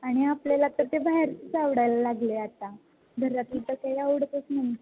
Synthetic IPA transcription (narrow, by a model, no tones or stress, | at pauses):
aɽ̃iapljalat̪əɾt̪ebaɦeɾtət͡saʋɽajlalaɡleat̪a | ɡʱəɾat̪it̪əkajauɽk̪əsmənt̪e